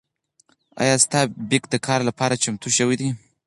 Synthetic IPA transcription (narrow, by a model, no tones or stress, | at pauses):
a̰jɑst̪ɑbɪkd̪əkʰɑɾlapɑɾat͡ʃamt̪uʃəwid̪i